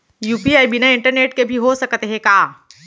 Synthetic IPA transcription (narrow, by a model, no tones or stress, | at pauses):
juːpiaːibinaɪ̃ɳʈəɾneːʈkebʱiɦosɐkt̪eɦɛ̃kaː